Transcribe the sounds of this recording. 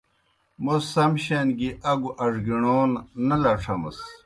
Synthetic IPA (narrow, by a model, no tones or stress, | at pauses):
mossɐmɕenɡiʔɐɡuʔɐʐɡiɳoːnnɐlɐʈ͡ʂʰɐmɐ̰s